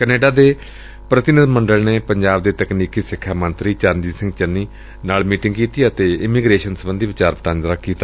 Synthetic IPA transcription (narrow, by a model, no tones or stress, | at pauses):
kəneːɖaːd̪eː | pɾət̪ɪnɪd̪məɳɖəlneːpəɲd͡ʒaːb̚d̪eːt̪əkniːkiːsɪkʰːaːmə̃nt̪ɾiːt͡ʃaːnd̪iːsɪ̃ŋɡt͡ʃənːiː | naːlmiːʈɪ̃ŋɡkiːt̪iːət̪eːɪmiːɡɾeːʃənsəbənd̪iːʋɪt͡ʃaːɾpəʈãːnd̪ɾaːkiːt̪a